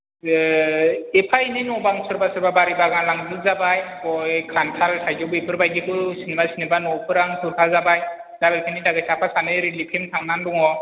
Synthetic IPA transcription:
epʰainɯjnɔbaŋsɯɾbasɔɾbabaɾibaɡaŋlaŋbɯkzabajbɔjkʰankʰalsʰajzɔbepʰɯɾbajɡikʰɯsinemasinebanɔpʰɯɾaŋsʰɯɾpʰazabaj | dabelpʰenidaɡɯjsapʰasanɯɾilipʰemtʰaŋnandɔŋɔ

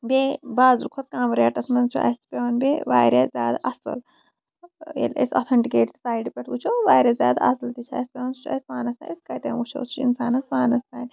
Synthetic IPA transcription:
bʲebaːzɾukʰot̪kãːmɾeːʈɐsmɐnt͡ʃʰṵʔɐ̰st͡ʃpʲeʋonbʲeʋaːɾʲezʲaːd̪ɐsɨ̰l | ḛlʲḛsʲɔ̰t̪ʰɐɳʈikeːʈsaːiɖpʲɐʈʰut͡ʃʰoːʋaːɾʲɐzʲa̰ːd̪ɐ̰sɐlt̪it͡ʃʰa̰ːspʲeʋonsut͡ʃʰɐ̰sʲʋaːnɐst̪a̰iskɐt̪ḛ̃ːut͡ʃʰo̰ːt͡sʰuḭnsaːnɐsʋaːnɐst̪ʰaːnʲ

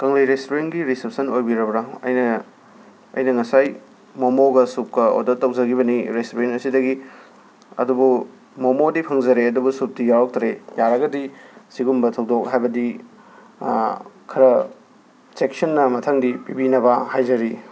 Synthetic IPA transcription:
kɐŋlijɾestoɾenɡiɾisep̚sɐnojbiɾɐbɾaɐ̰jnɐ | ɐ̰jnɐŋɐsaj | momoɡɐsup̚kɐo̰dɐtːɐwzɐɡiβɐniɾestoɾenɐsidɐɡi | ɐ̰dubu | momodipʰɐŋzɐɾeɐdubusup̚tijawɐk̚tʰɾejaɾɐɡɐdisiɡumbɐtʰɐwdok̚ɦajbɐdi | kʰɐɾɐ | sek̚sɐnːɐmɐtʰɐŋdipibinɐbɐhajzɐɾi

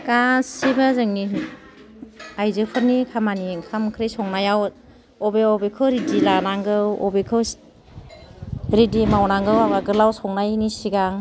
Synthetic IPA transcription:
kasibɯzɯŋni | ajzɯpʰɯɾnikʰamanikʰamkʰɾesɔŋnajaw | ɔbeɔbekʰɯwɾidilanaŋɡɯwɔ̰bekʰɯw | ɾidimawnaŋɡɯwaɡaɡɯɾlawsɔŋnajnisiɡaŋ

